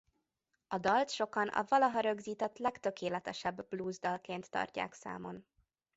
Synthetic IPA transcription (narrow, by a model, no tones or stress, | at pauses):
ɒd̪ɒlt̪ʃo̞kɒnʔɒ̰vɒlɒɦɒɾø̞ɡziːt̪ɛt̪lɛkt̪ø̞keːlɛt̪ɛʃɛbːbluːzd̪ɒlkeːnt̪ːɒ̰rca̰ːksa̰ːmo̞n